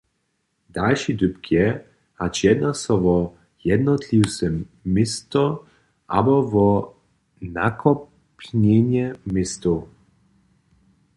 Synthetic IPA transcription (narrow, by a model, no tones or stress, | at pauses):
d̪̥alʃid̪ʏpkʰjɛ | hat͡ʃjɛd̪nasɔvɔ | jɛd̪nɔt̪liwsɛmːɪst̪ɔ | ʔa̰bɔvɔ | nakʰɔ | pɲɛɲjɛmɪst̪o